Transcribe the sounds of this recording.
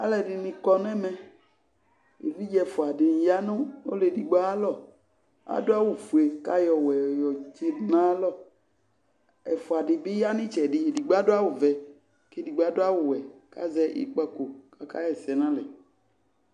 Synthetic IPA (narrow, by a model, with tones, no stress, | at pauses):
a˦lɛ˨ɖɪ˨nĩ˨kɔ˦nɛ̃˦mɛ̃˦ | ḛ˨vi˦d͡ʒɛ˨fo˨a˨dɪ˨n˨ja˦nõ˦o̰˦le˨di˨ɡ͡ba˦a˦lɔ˦˨ | a̰˨do˦a˦wu˨fu˨e˨ka˦jɔ˨wɛ˨jɔ˨d͡ʒe˦nã˦lɔ˦˨ | ɛ̰˨fo˨a˨ɖɪ˨bɪ˦ja˦nĩ˦t͡ʃɛ˨ɖɪ˨di˨ɡ͡ba˦do˦a˦wo˨vɛ˨ | ke˦di˨ɡ͡ba˦do˦a˦wʊ˨wɛ˨ka̰˦zɛ˦ʔḭ˦k͡pa˦ko˨ka˦ka˦jɛ˨sɛ˨nã˦lɛ˨